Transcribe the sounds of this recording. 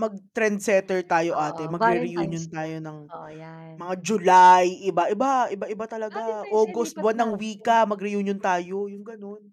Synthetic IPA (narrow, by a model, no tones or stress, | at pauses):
mɐɡ̚t̪ɾɛnd̪̚sɛt̪ɛɹt̪aːjoʔaːt̪ɛmɐɡɾɪɾɪjuːnjont̪aːjo̞nɐŋ | mɐŋad͡ʒʊlajʔɪbaʔɪbaʔɪbaʔɪbat̪ɐlɐɡaʔoːɡost̪̚bwɐnːɐŋwiːkɐmɐɡɾɪjuːnjont̪aːjo̞jʊŋɡɐno̞n